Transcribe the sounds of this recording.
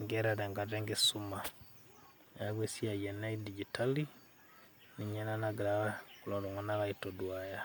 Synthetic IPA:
ŋɡɛɾɛɾɛŋɡatɛŋɡisuma | aɡwesiajɛnaidiɟitali | niɲɛnanaɡɾaakulɔdɔŋanaβaitɔdwaja

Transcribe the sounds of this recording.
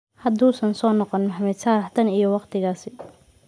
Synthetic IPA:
hɐd̪uːsɐnsɔːnɔqɔnmħamɛːd̪saːɾɐħt̪ʰɐnijwɑqt̪ʰɪɣaːsɪ

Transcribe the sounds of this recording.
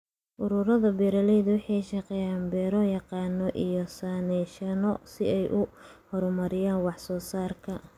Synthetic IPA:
ʔʊɾʊɾɐðɐbiːɾɐlɛjðʊwɑħɑʃɑqɛːjaːnbɛːɾɔjɑqɑːnːɔʔijɔsaːnɛʃɐnɔsɪɛjʔʊhɔɾmɐɾɪjaːnwɑħsɔːsaːrkʰɐ

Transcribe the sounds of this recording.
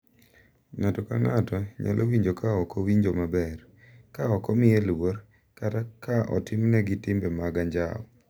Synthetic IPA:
ŋatɔkaŋatɔɲa̰lʔowiɲd͡ʒokaɔkɔwiɲd͡ʒomabɛr | kaɔkɔmɪɛlwor | katakaʔɔ̰tɪmnɛɡɪtɪmbɛmaɡaɲd͡ʒa̰ɔ

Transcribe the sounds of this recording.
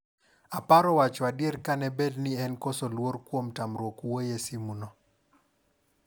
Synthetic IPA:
apaɾɔwat͡ʃɔadjeɾkanɛbedniɛnkosolworkwomtamɾwokuwojesimunɔ

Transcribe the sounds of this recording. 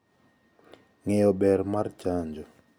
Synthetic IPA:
ŋɛjɔbɛɾmart͡ʃaɲd͡ʒɔ

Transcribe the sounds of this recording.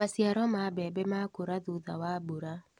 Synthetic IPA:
masiaɾɔmabɛbɛmakoɾaðuða̰waːboɾa

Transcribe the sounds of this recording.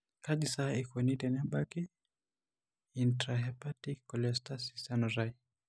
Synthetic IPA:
kaʄisaikɔnitɛnaɓaki | intɾaɦɛpatikːɔlɛstasisanɔɾai

